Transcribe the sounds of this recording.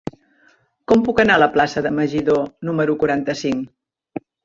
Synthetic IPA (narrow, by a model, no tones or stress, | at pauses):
kɔmpukənaələplasəðəməʒiðonuməɾukuɾant̪əsiŋ